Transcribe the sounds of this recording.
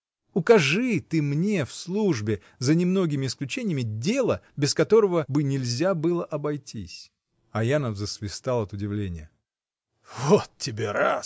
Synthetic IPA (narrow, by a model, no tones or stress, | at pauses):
ʊkɐʐɨt̪ɨmnʲe̞fslˠuʐbʲɪ | zənʲɪmno̞ɡʲɪmʲɪːsklʲʉt͡ɕenʲɪjmʲɪdʲe̞lˠəbʲɪskɐt̪o̞ɾəvəbɨnʲɪlʲzʲabɨlˠəʔɐbɐjtʲḭsʲ | ɐjanəvzəsvʲɪst̪alˠɐt̪ʊdʲɪvlʲenʲɪjə | vot̪tʲːɪbʲeɾa̰s